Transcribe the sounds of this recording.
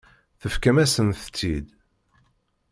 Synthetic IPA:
θəfkæmæsənθət͡sːid̪

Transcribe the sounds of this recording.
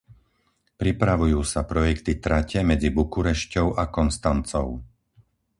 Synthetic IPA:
pɾipɾaʋujuːsapɾɔjɛkt̪it̪ɾacɛmɛd͡zibukuɾɛʃcɔʊʔakɔnst̪ant͡sɔ̰ʊ

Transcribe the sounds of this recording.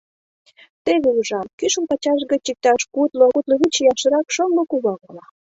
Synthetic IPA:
t̪eβeuʒɑmkyʃə̆mpɑt͡ɕɑʃ̬ɣət͡ɕik̚t̪ɑʃkut̪loɣut̪loβut͡ɕejɑʃə̆ɾɑkʃoŋɡokuβɑɣɑlɑ

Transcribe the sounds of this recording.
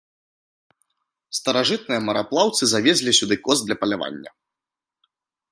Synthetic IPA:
st̪ɐɾaʐɨt̪̚nɨjɐmɐɾaplˠawt̪sɨzavʲɛzʲlʲisʲud̪ɨkɔzd̪lʲɐpɐlʲava̰nʲːɐ̰

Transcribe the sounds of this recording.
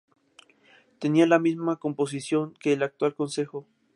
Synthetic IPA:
t̪e̞nialamizmakompo̞s̬isjo̞ŋke̞ːlak̚t̪walkonse̞xo

